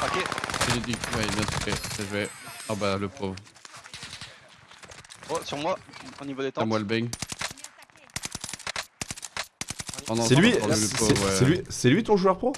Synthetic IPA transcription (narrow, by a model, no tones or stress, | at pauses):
okʲeiled̪iwɛbjɛ̃t̪u̥pɛsaʒwɛɔ̃baləpχov | osyʁmwaonivod̪et̪ãmwalbɛŋ | ɔ̃nɑ̃sɛlɥiləovɛsɛlɥisɛlɥit̪ɔ̃ʒuœʁpχo